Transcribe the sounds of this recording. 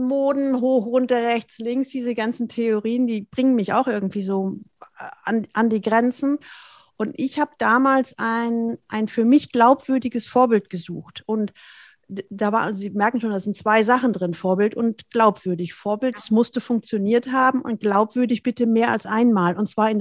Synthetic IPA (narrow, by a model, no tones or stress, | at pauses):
moːdn̩ɦoːχʁʊntɐʁɛçt͡slɪŋsd̥iːzəɡant͡sn̩tʰeoʁiːəndiːbʁɪŋənmɪça̰ʊxʔɪɐɡŋ̩tv̥iːzoː | a̰nʔandiːɡʁɛnt͡sn̩ | ʔʊntʔɪçhaːbəd̥aːmaːlsʔaɪnʔaɪnfyːɐmɪçɡ̥laʊpv̥ʏɐdɪɡəsfoːɐbɪlt̚ɡ̥əzṵːxtʔʊnt | d̥aːva̰ːziːmɛɐk̚n̩ʃoːndazɪntt͡sv̥aɪzaχn̩dʁɪnfoːɐbɪltʊntɡ̥laʊpv̥ʏɐdɪçfoːɐbɪltd̥asmʊstəfʊŋk̚t͡sjoniːɐthaːbm̩ʔʊ̰nt̚ɡ̥laʊpv̥ʏɐdɪçb̥ɪtəmeːɐʔa̰lsʔaɪnmaːlʊntt͡sv̥aːɐɪn